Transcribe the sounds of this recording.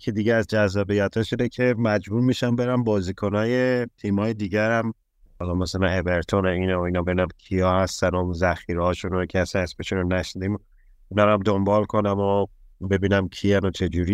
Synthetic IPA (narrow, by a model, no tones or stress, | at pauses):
kʰed̪iɟeæzd͡ʒæzːɒːbijæt̪ʰhɒːʃiːnecʰe̞mæd͡ʒbuɾmiːʃænbe̞ɾæmbɒːziːkʰo̞nɒːje̞t̪ʰimɒːje̞d̪iːɟæɾæm | hɒlɒːmæsælænebe̞ɾt̪ʰo̞neiːnoinɒːbe̞binæmcʰijɒːhæstsænɔmzæxiːɾehɒːʃuncʰeæst̪ænesbeʃunonæʃnid̪im | unɒːɾæmd̪o̞mbɒːlkʰo̞næmobe̞biːnæmcʰiænot͡ʃʰe̞d͡ʒuɾi